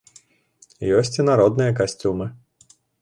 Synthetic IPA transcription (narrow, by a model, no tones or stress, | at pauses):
jɔsʲt͡sʲinaɾɔd̪nɨjɐk̬asʲt͡sʲumɨ